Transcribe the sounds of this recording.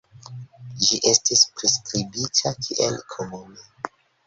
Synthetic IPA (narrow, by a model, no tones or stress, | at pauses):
d͡ʒiʔe̞stispɾeskɾibitʰakʰiʔḛlkʰomune